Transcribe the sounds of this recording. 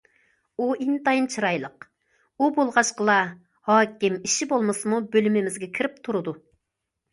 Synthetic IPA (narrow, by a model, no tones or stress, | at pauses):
uint̪ɑjint͡ʃʰɨɾɑjlˠəq | ubolˠʁɑʃqəlˠɑ | hɑːkʲimiʃibolˠmɨsɨmubølymɪmɪzɡʲɛkʲʰiɾɪp̚t̪ʰuɾɨd̪u